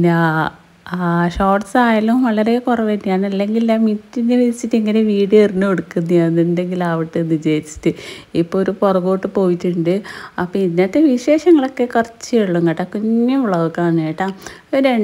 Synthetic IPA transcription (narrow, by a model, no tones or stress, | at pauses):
na | ʂo̞ːʈsaːjalumʋɐɭɐɾe̞kurɐʋenːijaːɳɐlːe̞ŋɡilnamitːinːeʋiit͡ɕːitːɨiŋːɐne̞ʋiːɽɨerinːuoɽukːunːijanende̞ŋɡilaːʋiʈːɨnːɨd͡ʑejit͡ɕːi̥tːɨ | ipːoɭoɾuporɐɣoːʈːɨpo̞ːjitːuɳɖɨɐpːoinːɐt̪ːeʋiʂe̞ːʂɐŋːɐɭo̞kːe̞kɐrɐt͡ɕːɨeɭːuŋɡɐʈːɐkuɲːɐʋuɭɐʋukaːɳaːjiʈːa | oɾe